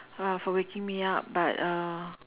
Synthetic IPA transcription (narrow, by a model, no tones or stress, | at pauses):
afɔwekɪ̃ŋmiap̚bata